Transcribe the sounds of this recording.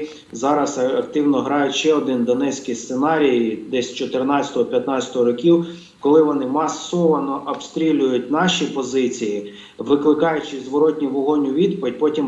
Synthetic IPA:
zɑɾɐsɐkt̪ɪwnɔɦɾɑjʊtʲʃɛɔd̪ɪnd̪ɔnɛt͡sʲkɪjst̪senɑɾʲijd̪ɛsʲt͡ʃɔt̪ɪrnɑɐ̥t̪ɔɦɔpʲjɐt̪nɑt͡sʲjɐ̥t̪ɔɦɔɾɔkʲiw | kɔlˠɪʋɔnɪmɐsɔʋɐnɔʔɔbst̪ɾʲilʲʊjʊtʲnɑʃipɔzɪt͡sʲiji | ʋɪklˠɪkɑjʊt͡ʃɪzʋɔɾɔtʲnʲiʋɔɦɔnʲʊʋʲid̪pɔʋʲɪd̚ʲpɔtʲim

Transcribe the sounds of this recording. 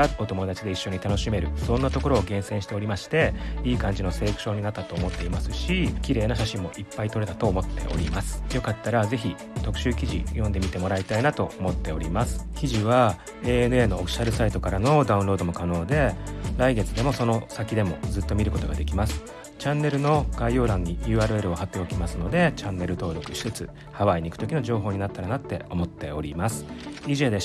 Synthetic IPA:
aot̪o̞mo̞d̪at͡ɕid̪e̞iɕːo̞ɲ̟it̪ano̞ɕime̞ɾɯ̟sõ̞nːat̪o̞ko̞ɾo̞ːɡẽ̞ɰ̃sẽ̞ɕi̥t̪e̞o̞ɾʲimaɕi̥t̪e̞iːkãɲ̟d͡ʑino̞se̞ːk̟ɕo̞ːɲ̟inat̪ːat̪o̞ːmo̞t̪ːe̞imasɨɕikʲiɾe̞ːnoɕ̬aɕĩmːo̞ʔipːait̪o̞ɾe̞t̪at̪o̞ːmo̞t̪ːe̞̰ʔo̞̰ɾʲimasɨ̥jo̞kat̪ːaɾaze̞çʲi | t̪o̞kɯ̟ɕɨːkʲiʑḭjõ̞nd̪e̞mʲit̪e̞mo̞ɾait̪ainat̪o̞omo̞t̪ːe̞oɾʲimasɨ̥kʲiʑiβ̞a | e̞ːen̟e̞no̞ːkɕaɾɯ̟sait̪o̞kaɾano̞d̪aɯ̟̃ɾo̞ːd̪o̞mo̞kano̞ːd̪e̞ɾaiɡe̞t͡sɨd̪e̞mo̞so̞no̞sakʲid̪e̞mo̞̰d͡zɨt̪ːo̞mʲiɾɯ̟ko̞t̪o̞ɡad̪e̞kʲimasɨ̥ | t͡ɕãnːe̞ɾɯ̟no̞ɡ̥aijo̞ːd̪ãɲ̟ːijɯ̟ːaːɾɯ̟e̞ɾɯ̟o̞hat̪ːe̞o̞kʲimasɨno̞d̪e̞t͡ɕãnːe̞ɾɯ̟t̪o̞ːɾo̞kɯ̟ɕi̥t͡sɨt͡sɨ | haβaiɲ̟ikɯ̟̥o̞kʲino̞ʑo̞ːɦo̞ːɲ̟inat̪ːaɾanat̪ːe̞̰o̞mo̞t̪ːe̞o̞ɾʲimasɨ̥iʑeːd̪e

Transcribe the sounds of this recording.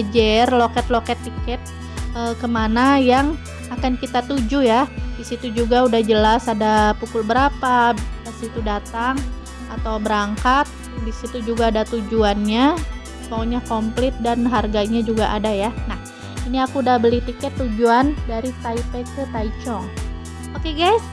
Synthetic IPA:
d͡ʒɛrlokɛt̪lokɛt̪ːikɛt̪̚ | əkəmanajaŋ | akankit̪at̪ud͡ʒujadisit̪ud͡ʒuɡaudahd͡ʒəlasadapukʊlbəɾapadasit̪udat̪aŋ | at̪awbəɾaŋkat̪̚ | disit̪ud͡ʒuɡaːdat̪ud͡ʒuanɲa | moɲakomplɪt̪̚danɦarɡaɲad͡ʒuɡaʔadajanah | iniakuːdahbəliht̪ikɛt̪ːud͡ʒuandaɾit̪aipekət̪ait͡ʃɔŋ | okeɡajs

